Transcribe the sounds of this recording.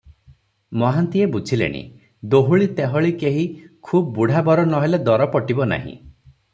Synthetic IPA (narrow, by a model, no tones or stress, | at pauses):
mɔɦant̪iebut͡ʃʰilḛɽ̃ḭ | d̪oɦuɭit̪eɦɔɭikeɦikʰubbuɽ̤ʱabɔɾɔnɔɦeled̪ɔɾɔpɔʈibɔna̰ɦḭ̃